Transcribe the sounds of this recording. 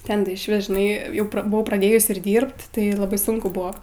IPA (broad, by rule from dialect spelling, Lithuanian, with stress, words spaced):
ˈtʲɛn tɐɪ ɪʃʲˈʋʲɪs ʒʲɪˈnɐɪ ˈjɛʊ bʊˈʋɐʊ prɐˈdʲeːjʊs ɪr ˈdʲiːrpt ˈtɐɪ lˠɐˈbɐɪ ˈsʊŋkʊ ˈbʊʋoː